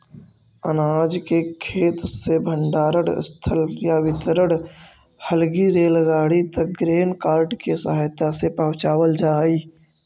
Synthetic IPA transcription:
ənaːd͡ʒkekʰeːt̪sebʱə̃ɳɖaːɾəɽ̰st̪ʰəljaʋɪt̪əɾəɽ | həlɡiɾeːlɡaːɽit̪ɐk̚ɡɾeːnkaːɾʈkesəɦaːjt̪asepəɦʊ̃t͡ʃaːwəld͡ʒaːiː

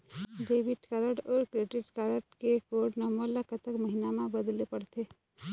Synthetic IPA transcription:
ɖeːbɪʈkaləɖɔːɾkɾeɖɪʈkaləʈkekoːɾɖnɔməlakət̪əkməɦinamãbəd̪lepəɽt̪ʰe

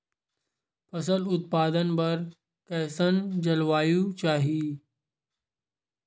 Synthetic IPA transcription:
pʰɐsəlʊt̪̚paːd̪ənpɐɾ | kɛːsənd͡ʒɐlʋaːjũt͡ʃaːɦii

